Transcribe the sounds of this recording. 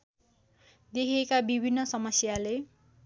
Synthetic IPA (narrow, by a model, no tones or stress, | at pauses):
d̪ekʰiekabibʱinːʌsʌmʌsjale